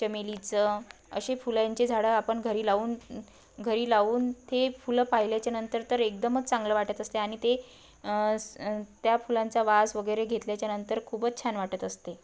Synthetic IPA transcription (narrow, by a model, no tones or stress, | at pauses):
t͡ɕəmelit͡səə̰ɕefuljaɲt͡ɕed͡zʱaɽəapəɳɡʱəɾiːlaʋuːn | ɡʱəɾiːlaʋuːnt̪efuləpaɦiljat͡ɕjanənt̪əɾt̪əɾek̚d̪əmət͡st͡sãŋɡləʋaʈət̪əst̪eaɽ̃it̪e | t̪jafulant͡saʋasʋəɡəjɾeɡʱet̪ljat͡ɕjanənt̪əɾkʰuːbət͡st͡ɕʰanʋaʈət̪əst̪e